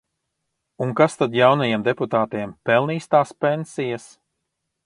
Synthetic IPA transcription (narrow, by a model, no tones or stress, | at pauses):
uŋkast̪ad̪jawnajemd̪ɛput̪aːt̪eɛmpɛlˠniːst̪aːspensijas